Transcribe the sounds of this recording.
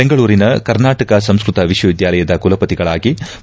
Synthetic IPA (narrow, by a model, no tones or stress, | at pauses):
eŋɡɐɭuːɾinɐkɐɾnaːʈɐkɐsɐmskɾut̪ɐʋiʂwɐʋid̪jaːlɐjɐd̪ɐkulɐpɐt̪iɡɐɭaːɡi